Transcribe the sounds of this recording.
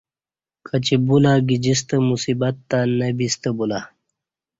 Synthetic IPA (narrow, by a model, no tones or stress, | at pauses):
kʰɐt͡ɕibulaːɡid͡ʑis̬t̪əmusibɐt̪ːaːnɐbist̪əbula